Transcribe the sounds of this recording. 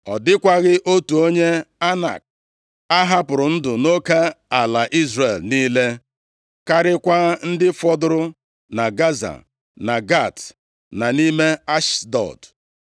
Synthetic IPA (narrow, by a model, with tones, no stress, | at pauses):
ɔ˨dɪ˦kʷa˦ɣɪ˦ʔo˦tu˨o˦ɲe˦a˦na̰˨k̚ | a˦ɦa˦pʊ˨ɾʊ˨n̩˦dʊ˨no˦ka˦a˨la˨ʔi˦zre˨lniː˦le˦ | ka˦ɾɪ˦kʷa˦n̩˦dɪ˦fɔ˦dʊ˦ɾʊ˦ | na˨ɡa˦za̰˨ | na˨ɡa˦˨t | na˨ni˦me˦a˦ʃdɔ̰˨d